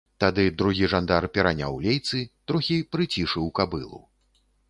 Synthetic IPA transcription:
t̪ad̪ɨd̪ɾuɣʲiʐand̪arpʲɛɾanʲa̰wlʲejt̪sɨt̪ɾɔxʲipɾɨt͡sʲiʂɨwkabɨlˠṵ

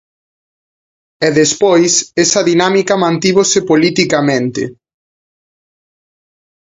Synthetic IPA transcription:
ɛðespojsesɐðinamikɐmãnt̪iβosepolit̪ikamẽnt̪ɪ̰

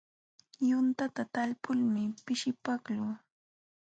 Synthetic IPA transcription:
jʊnt̪at̪at̪alpʊlmɪpɪʃɪpaklʊ

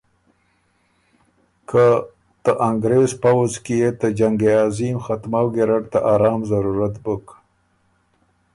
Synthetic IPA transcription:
kʰa | t̪əʔaŋɡɾezpawuzkijet̪ad͡ʒaŋɡeɑːzimxat̪mawɡeɾaɽt̪aʔɑːɾɑːmzaɾuɾat̪bək

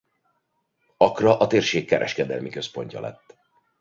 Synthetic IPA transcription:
ɒkrɒʔɒt̪eːrʃeːkːɛɾʔɛʃkɛd̪ɛlmikø̞spo̞ɲcɒ̰lɛ̰t̪ː

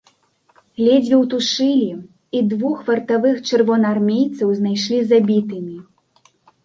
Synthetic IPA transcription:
ɣlʲɛd͡zʲvʲiwt̪uʂɨlʲi | id̪vuxvɐrt̪avɨxt͡ʂɨrvɔnarmʲejt̪sɐwznajʂlʲizabʲit̪ɨmʲi

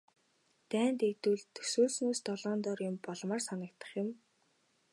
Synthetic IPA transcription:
t̪æːnt̪et̪ŭɮt̪ʰɵ̥suːɮsnoːst̪ɔɮɔːnt̪ɔːrjʊmpɔɮmaːrsanə̆k̚t̪ə̥̆χjʊ̆m

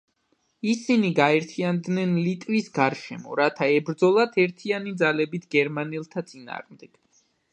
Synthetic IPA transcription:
isiniɡaɛɾt̪ʰiand̪nɛnlit̪ʼɾisɡaɾʃɛmɔɾat̪ʰaɛbɾd̪zɔlˠat̪ʰɛɾt̪ʰianid̪zalɛbit̪ʰɡ̥ɛɾmanilˠt̪ʰat̪sʼina̰ːʁmd̪ɛɡ̥

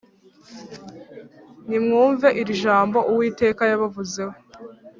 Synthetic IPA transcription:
nimŋuːɱve̞ʔiɾiʒaːmbo̞ʔuwiːte̞ːkajaβavuze̞ho

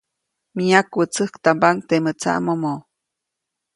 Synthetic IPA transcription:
miakwət͡səhkt̪ambaŋt̪emət͡sa̰ʔmomo

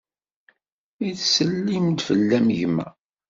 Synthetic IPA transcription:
iθsəlːimd̪fəlːæmʝmæ̰

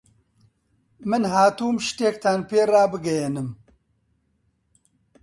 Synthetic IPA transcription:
mɨnɦaːt̪uːmʃt̪eːk̚t̪ʰanpeːraːbɨɡɐjenɨm

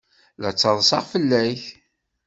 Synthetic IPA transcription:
læt͡sːɑðˤsɑʁfəlːæç

